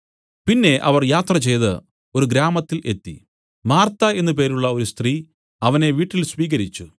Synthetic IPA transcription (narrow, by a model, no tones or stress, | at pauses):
pinːe̞ʔɐʋɐrjaːt̪rɐt͡ɕe̞jðɨ | o̞ɾuɡɾaːmɐt̪ːilʔe̞t̪ːḭ | maːrt̪ae̞nːup̬e̞ːɾuɭːɐo̞ɾust̪riː | ɐʋɐne̞ʋiːʈːilsʋiːɣɐɾit͡ɕːu